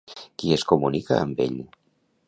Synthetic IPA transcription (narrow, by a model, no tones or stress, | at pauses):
kiəskumunika̰əmbḛʎ